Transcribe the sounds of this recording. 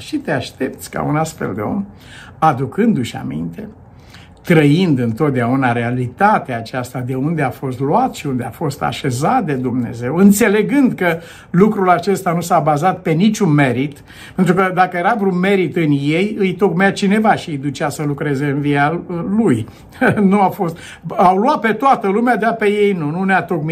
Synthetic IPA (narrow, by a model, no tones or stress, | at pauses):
ʃit̪eaʃt̪e̞p̚t̪sʲka̰unasfe̞̰ld̪e̞̰o̞̰m | ad̪ukɨnd̪uʃʲa̰mḭnt̪e̞ | t̪ɾəind̪ɨnt̪o̞t̪̚d̪eaunaɾe̞alit̪at̪eaːt͡ʃast̪ad̪e̞und̪e̞afo̞st̪luat̪ʃiund̪e̞a̰fo̞st̪a̰ʃe̞zat̪̚d̪e̞d̪umne̞̰ze̞wɨnt̪se̞le̞ɡɨnd̪kə | lukɾulat͡ʃe̞st̪anusabazat̪̚pe̞nit͡ʃʲunme̞ɾit̪ | pent̪ɾukəd̪akəje̞ɾavɾunme̞ɾit̪ɨnje̞jɨjt̪o̞ɡmeat͡ʃine̞vaʃiɨjd̪ut͡ʃasəlukɾe̞ze̞ɨnvialuj | nuafo̞st̪ | awluat̪̚pe̞t̪oat̪əlumead̪eape̞je̞jnununeat̪o̞km